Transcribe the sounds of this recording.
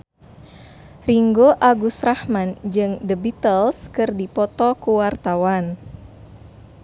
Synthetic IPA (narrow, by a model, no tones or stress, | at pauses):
riŋɡoʔaɡusɾahmand͡ʒɨŋdəbit̪əlskɨrdipɔt̪ɔkuwart̪awan